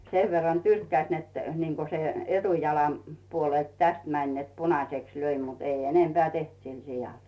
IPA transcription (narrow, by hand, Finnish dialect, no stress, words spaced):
seʋ ʋerːɑn tyrkːæĭs net niːŋko se etujɑlɑm puolelt tæst mænʲ net punɑseks løi mutː ei enempeæˑ teht sil sijɑl